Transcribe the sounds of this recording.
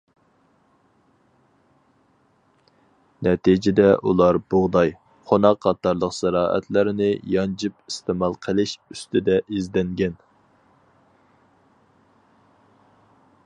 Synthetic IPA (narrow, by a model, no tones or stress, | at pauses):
nɛt̪ʰid͡ʒɪd̪ɛʔulˠɑɾboʁd̪ɑj | χonɑqːɑt̪ːɑɾlˠəqsæɾɑːʔɛ̰t̪ʰlɪɾɪnɪjɑnd͡ʒipist̪ɪmɑlˠqʰəlˠɪʃyst̪ɪd̪ɛʔizd̪ɛŋɡʲɛn